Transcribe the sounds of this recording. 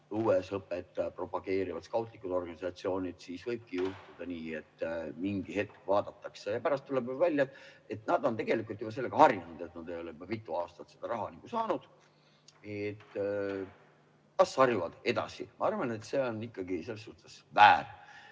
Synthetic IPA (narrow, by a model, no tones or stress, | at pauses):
uːesɤpːet̪ːpro̞pɑɡ̥e̞ːɾivɑt̪skɑwt̪ˑlikːˑud̪̥o̞rɡ̥ɑnisɑt̪sio̞ːnid̪̥siːsvɤjb̥̚kijuht̪ud̪̥ɑniːe̞t̪ˑːmiŋɡ̥ihe̞t̪̚kvɑːd̪̥ɑt̪ːɑksejɑpæɾɑst̪ːulebuvælʲːjɑt̪ːˑe̞t̪nɑd̪̥o̞nt̪e̞ɡ̥e̞likːˑult̪ːˑjub̥ɑs̬e̞lːe̞ɡ̥ɑhɑɾjnenud̪̥e̞t̪nɑd̪e̞jo̞lepit̪ˑːuɑːst̪ɑt̪se̞d̪̥ɑɾɑɦɑniɡ̥usɑːnud̪̥ | et̪ː | ɑsːɑrjuvɑd̪̥e̞d̪ɑ̰sḭmɑɑrvɑne̞t̪se̞o̞nːikːɑɡise̞lːes̬ːuht̪esvæːr